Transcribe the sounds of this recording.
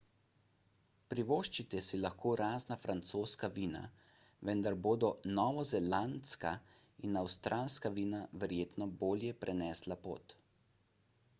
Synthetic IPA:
pɾiʋoːʃt͡ʃit̪ɛsilaxkʰoːɾaːznafɾant̪soːskaʋiːna̰ | ʋɛnd̪aɾboːd̪ɔnɔʋɔzɛlant̪skainawst̪ɾalskaʋiːnaʋɛɾjeːt̪nɔboːljɛpɾʔɛnɛːslapo̰ːt̪

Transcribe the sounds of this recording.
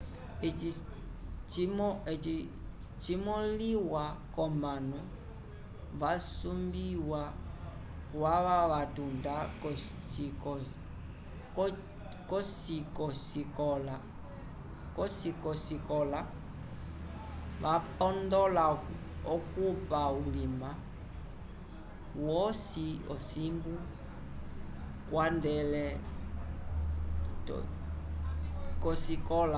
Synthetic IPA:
ɛi | t͡ʃimɔɛi | t͡ʃimɔliwakɔmanu | vasumbiwa | waβaβatundakɔ | t͡ʃikɔ | kɔsikɔsikɔla | kɔsikɔsikɔla | βapɔndɔla | ɔkupaulima | wɔsiɔsimbu | kwandɛlɛ | t | kɔsikɔla

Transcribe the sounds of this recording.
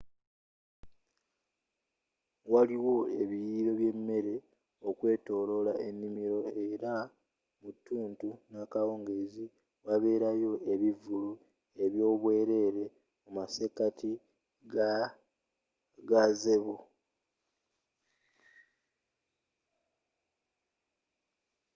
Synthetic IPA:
waliwo̞eβijiːɾo̞βje̞mːe̞ɾe̞ | okwe̞ːto̞ːlo̞laʔe̞nːimiɾo̞e̞ɾa | mutːuːntunakawo̞ːŋɡe̞zi | waβe̞ːɾajo̞e̞βivulu | e̞βjo̞ːβwe̞ːɾe̞ːɾe̞ | mumase̞kati | ɡaze̞βo

